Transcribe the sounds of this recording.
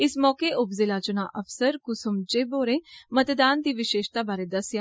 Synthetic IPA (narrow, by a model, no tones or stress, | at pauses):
ɪsmɔːkeʔʊpzɪlaːt͡ʃʊna̰ʔəfsəɾkʊsʊmd͡ʒeːboːɾẽːmət̪d̪aːnd̪iːʋɪʃeːʃt̪abaːɾed̪əsjaː